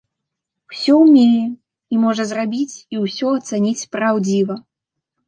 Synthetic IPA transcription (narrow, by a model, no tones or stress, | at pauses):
wsʲɔwmʲelʲi | imɔʐɐzrabʲit͡sʲiwsʲɔɐt̪sanʲit͡sʲpɾawd͡zʲivɐ